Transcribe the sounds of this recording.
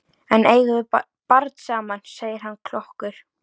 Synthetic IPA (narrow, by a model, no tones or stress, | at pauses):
ɛneːjɣʏðʏ | paɾt̪saːmanseːjɪɾ̥ɦanːkʰlɔhkʏɾ̥